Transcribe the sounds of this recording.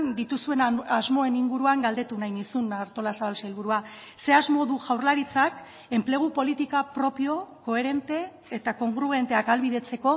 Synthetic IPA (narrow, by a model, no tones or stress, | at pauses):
nd̪it̪usue̞nazmo̞e̞niŋɡuɾuaŋɡald̪e̞t̪unajnisunaɾt̪o̞lasaβalsajlβ̞uɾua | se̞azmo̞ðuʝawrlaɾit͡sak | e̞mple̞ɣ̞upo̞lit̪ikapɾo̞pio̞ko̞e̞ɾe̞nt̪e̞ː | t̪ako̞ŋɡɾuɣe̞nt̪e̞akalβiðe̞t͡se̞ko̞